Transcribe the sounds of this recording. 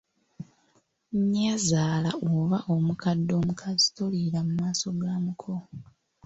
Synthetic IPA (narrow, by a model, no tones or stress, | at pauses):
ɲazaːlaʔoβaʔo̞mukadːo̞ːmukʰazitoliɾamumaːso̞ɡaːmukʰo